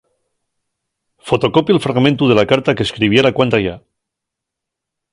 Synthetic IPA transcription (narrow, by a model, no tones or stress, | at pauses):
fo̞t̪o̞ko̞pjalfɾaɣmẽnt̪uð̞e̞lakaɾt̪akeskɾiβ̞jeɾakwant̪aʝa